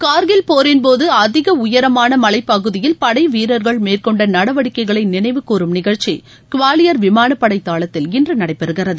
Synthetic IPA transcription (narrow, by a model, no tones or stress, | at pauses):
kaːɾɣɪlpoːɾɪnpoːðɯɐðɪɣɐʊjɐɾɐmaːnɐmɐlɐɪpːɐɣɯðɪjɪlpɐɽɐɪʋiːɾɐɾɣɐɭmeːrkɔɳɖɐnɐɽɐʋɐɽɪkːɐɪɣɐɭɐɪnɪnɐɪʋɯkːuːɾɯmnɪɣɐɻt͡ʃi | kʊʋaːlɪjɐɾʋɪmaːnɐpːɐɽɐɪt̪ːaːɭɐt̪ːɪlɪndrɯnɐɽɐɪpːɛɾɯɣɪɾɐðɯ